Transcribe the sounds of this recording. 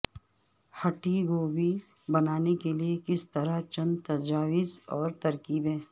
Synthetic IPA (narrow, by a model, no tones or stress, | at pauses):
hɐʈiɡoːwi | bɐnaːnekeliekɪst̪ɐɾat͡ʃɐ̃nt̪ɐd͡ʒaːwɪzɔːɾt̪ɐɾkiːbɦɛ̃ː